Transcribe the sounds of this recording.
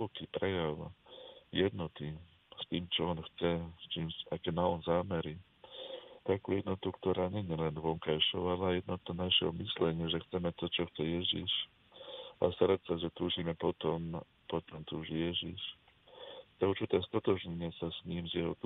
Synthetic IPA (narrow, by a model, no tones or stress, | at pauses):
ɔkiːpɾɛjaʊjɛd̪nɔt̪i | st̪iːmt͡ʃɔɔnxt͡sɛst͡ʃiːmakɛnaɔnzaːmɛɾi | t̪akṵjɛd̪nɔt̪ukt̪ɔɾaːɲɛɲɪɛlɛnʋɔŋkajʃɔʊalɛajɛd̪nɔt̪ɔnaʃɛ̰mislɛɲɪɛʒɛxt͡sɛmɛt̪ɔt͡ʃɔxt͡sɛjɛʒḭʃ | a̰st̪aɾat̪saʒɛt̪uːʒimɛpɔt̪ɔm | pɔt̪ɔmt̪uːʒijɛʒiʃ | t̪ɛuɾt͡ʃit̪ɛːst̪ɔt̪ɔʒɲɛɲɪɛsasɲiːmzjɛɦɔ̰t̪